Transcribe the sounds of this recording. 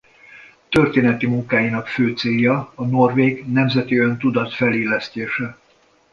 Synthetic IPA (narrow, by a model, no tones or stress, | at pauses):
t̪ø̞rt̪eːnɛt̪imuŋkaːjinɒkføːt̪seːjːɒɒno̞rveːɡnɛmzɛt̪iønt̪ud̪ɒt̪fɛleːlɛst̪eːʃɛ